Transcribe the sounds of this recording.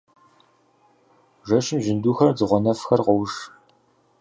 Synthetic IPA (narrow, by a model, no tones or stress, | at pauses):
ʒɐʃɪmʒɪnduːxɐrd͡zɨʁʷɔnɐfxɐrqɔwʂ